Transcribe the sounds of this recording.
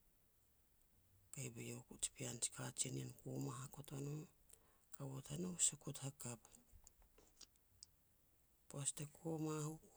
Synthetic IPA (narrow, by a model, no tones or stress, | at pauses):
kajbejokut͡ʃi̥piant͡ʃi̥kat͡ʃininkomaɦakotono | kawothanowsakuthakap | postekʰomahuk